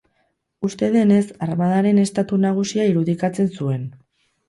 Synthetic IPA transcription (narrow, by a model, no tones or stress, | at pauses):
ust̪e̞ð̞e̞ne̞sarmað̞aɾe̞ne̞st̪at̪unaɣ̞usiaiɾuðikat͡se̞nsue̞n